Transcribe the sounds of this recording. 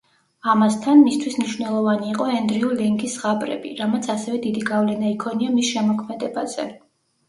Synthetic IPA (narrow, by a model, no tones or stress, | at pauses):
amast̪ʰanmist̪ʰwismniʃwnɛlˠɔvaniːqʼɔɛnd̪ɾiulɛŋɡisʁabʼɾɛ̰bḭɾamat̪sʰasɛvɛd̪id̪iɡavlɛnaikʰɔniamisʃɛmɔkʰmɛd̪ɛbazɛ̰